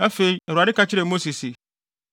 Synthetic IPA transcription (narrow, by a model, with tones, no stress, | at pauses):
a˦fe˦i˦ɛ˨ɾa˨dɪ˦kʰa˦t͡ɕʰɪ˦ɾɛ˨mo˦si˨si˨